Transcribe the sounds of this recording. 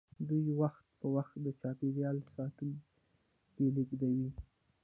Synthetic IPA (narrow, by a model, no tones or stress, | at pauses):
d̪ujwaxt̪̚pəwaxt̪̚d̪ət͡ʃɑpeɾjɑlsɑt̪un | keliɡd̪awi